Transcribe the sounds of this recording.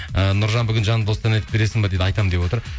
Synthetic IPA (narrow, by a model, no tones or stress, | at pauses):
ənʊɾʒɑnbʏɡʲɪnʒɑnd̪ost̪ɑnɑjt̪ɪp̚beɾe̞sɪŋbɑd̪ejd̪ɪɑjt̪ɑmd̪epwoəɾ